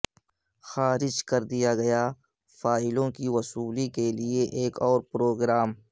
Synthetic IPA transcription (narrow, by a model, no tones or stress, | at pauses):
xaːɾɪd͡ʒkɐɾd̪ijaɡɐja | faːɪlõkiwɐsuːlikelieʔeːkɔːɾpɾoːɡɾaːm